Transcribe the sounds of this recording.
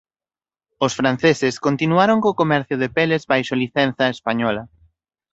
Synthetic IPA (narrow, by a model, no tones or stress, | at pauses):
osfɾan̟θesɪskont̪inuaɾoŋkoːkomɛɾθjʊðepelezbajʃoliθɛnθɐespaɲɔlɐ